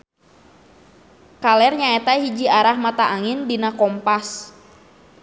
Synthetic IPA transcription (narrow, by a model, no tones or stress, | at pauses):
kalɛrɲaɛt̪aɦid͡ʒiaɾahmat̪aʔaŋɪndinakɔmpas